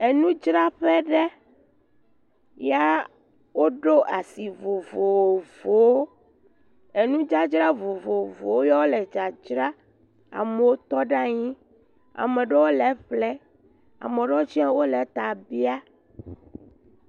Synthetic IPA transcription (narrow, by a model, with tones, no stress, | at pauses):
e˨nũ˦d͡ʒɾa˦ɸɛ˦ɖɛ˦ | ja˦ | wo˦ɖo˦ʔa˨si˨vo˨vo˨wo˨vo˨wo˦ | e˨nũ˦d͡ʒa˦d͡ʒɾa˦vo˨vo˨vo˨wo˦jɔ˦wo˦lɛ˨d͡ʒa˨d͡ʒɾa˦ | a̰˨me˨wo˦t̪ɔ˦ɖa˦ɲĩ˦ | a̰˨mẽ˨ɖe˦wo˦lɛ˨˦ɸlɛ˦ | a̰˨mẽ˨ɖɔ˦t͡ʃi˦a˦wo˦lɛ˨t̪a˨bi˦a˦